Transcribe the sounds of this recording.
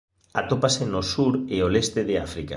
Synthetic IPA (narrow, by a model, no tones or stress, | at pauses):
at̪opasenosuɾeolest̪eðɪafɾika̰